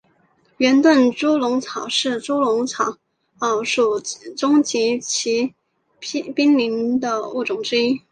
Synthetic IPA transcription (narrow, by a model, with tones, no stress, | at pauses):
ɥɛ˧˥nt̪wə˥˩nʈ͡ʂu˥lʊ˧˥ŋt͡sʰɑ˨˩ʊʂɻ̩˥˩ʈ͡ʂu˥lʊ˧˥ŋt͡sʰɑ˨˩˦ʊ | ɑ˨˩ʊʂu˨˩ʈ͡ʂʊ˥ŋt͡ɕi˧˥t͡ɕʰi˧˥ | pi˥ŋli˧˥nd̪ə˧u˥˩ʈ͡ʂʊ˨˩ŋʈ͡ʂɻ̩˥i˥